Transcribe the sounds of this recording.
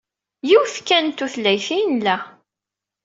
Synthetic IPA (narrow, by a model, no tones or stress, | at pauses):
jiwθkːænt̪uθlːæjθinlæ